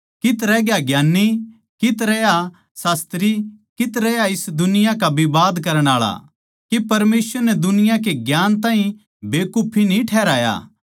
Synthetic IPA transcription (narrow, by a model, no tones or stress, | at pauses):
kɪt̪ɾɛɡjaɡjaːnːi | kɪt̪ɾɛja | saːst̪ɾikɪt̪ɾɛjaɪsd̪ʊnɪjãkabibaːd̪kɐɾəɽ̃aːɭa̰ | kipɐɾmeːsʋəɾnɛd̪ʊnɪjãk̬eɡjaːnt̪ãːɦĩ | beːkʊpʰinĩʈʰɛːɾaːja̰ː